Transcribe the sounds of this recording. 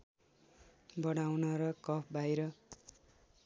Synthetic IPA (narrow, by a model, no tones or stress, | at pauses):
bʌɽ̃awnʌɾʌkʌpʰbajɾʌ